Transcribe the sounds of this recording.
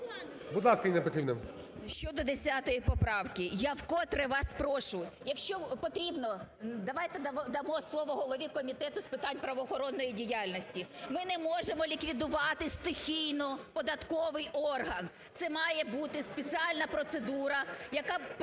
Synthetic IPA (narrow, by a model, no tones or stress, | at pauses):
bʊd̪lˠɑskɐjinɛpɔt̪ɾʲibnɪm | ʃt͡ʃɔd̪ɔd̪esʲat̪ɔjipɔpɾɑwkɪjawkɔt̪ɾɛʋɑspɾɔʃʊjʊjɐkʃt͡ʃɔpɔt̪ɾʲibnɔd̪ɐʋɑjt̪ɛd̪ɐd̪ɐmɔslˠɔʋɔɦɔlˠɔʋʲikɔmʲit̪ɛt̪ʊspɪt̪ɑnʲpɾɐʋɔːxɔɾɔnːɔjidʲijalʲnɔsʲtʲimɪnɛmɔʒemɔlʲikʋʲid̪ʊʋɑt̪ɪst̪ɪxʲijnɔpɔd̪ɐt̪kɔʋɪjʔɔrɦɐn | t̪sɛmɑjɛbut̪ɪspet͡sʲɪalʲnɐpɾɔt̪sed̪uɾɐjɐkɑ